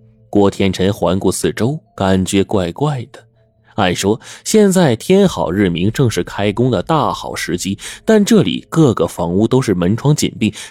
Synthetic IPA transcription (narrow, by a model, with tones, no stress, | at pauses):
kwɔ˥t̪ʰjɛ˥nʈ͡ʂʰə˧˥nxwa˧˥nku˥˩sɹ̩˥˩ʈ͡ʂo˥ʊka˨˩nt͡ɕɥɛ˧˥kwa˥˧ɪkwa˥˩ɪd̪̥ə˩ | a˥˩ɪʂwɔ˥ɕjɛ˥˧nt͡sa˥˩ɪt̪ʰjɛ˥nxɑ˨˩ʊɻɻ̩˥˩mi˧˥ŋʈ͡ʂɤ˥˧ŋʂɻ̩˥˩kʰa˥ɪkʊ˥ŋd̪ə˨t̪a˥˩xɑ̰˨˩ʊʂɻ̩˧˥t͡ɕi˥t̪a˥˧nʈ͡ʂɤ˥˩lḭ˨˩kɤ˥˩ɡə˩fɑ˧˥ŋu˥˧t̪o˥ʊʂɻ̩˥˩mə˧˥nʈ͡ʂʰwɑ˧˥ŋt͡ɕḭ˨˩npi˥˩ŋ